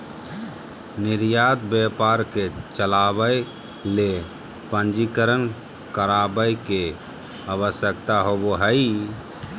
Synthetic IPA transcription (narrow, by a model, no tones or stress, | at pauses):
niɾjad̪bepaɾket͡ʃəlabə | le | pə̃nd͡ʒikəɾən | kəɾabəjke | aβəsjəkt̪aɦoboɦəi